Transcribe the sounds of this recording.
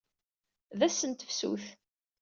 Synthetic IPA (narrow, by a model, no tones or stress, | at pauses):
ðæsənt̪əfsṵθ